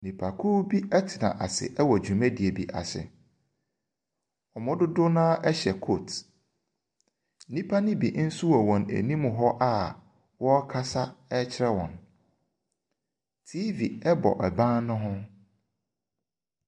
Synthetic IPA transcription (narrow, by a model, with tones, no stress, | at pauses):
nĩ˨pʰa˨kʰuː˦bi˦ɛ˦tʰɪ˨nã̰˨ʔa˨sɪ̰˨ʔɛ˦wɔ˨d͡ʑᶣu˨mæ̃˦di˨e˨bi˨ʔa̰˨sɪ̰˨ | ɔ˨mʊ̃˦dʊ˦dʊ˦nãː˦ʔɛ˦ɕɛ˨kʰo˦˨t | nĩ˦pʰa˦nɪ̃˦bi˨ʔn̩˦su˦ɔ˨wɔ̃˨næ̰˨nĩ˦mʊ̃˨ɦɔ˦ʔa˦ | wɔ˦kʰa˦sa˦ɛ˦t͡ɕʰɪ˦ɾɛ˦wɔ̰̃˨n | tʰi˦vi˨ɛ˦bɔ̰˨ʔɛ˨bã˦nʊ̃˦ɦʊ̃˦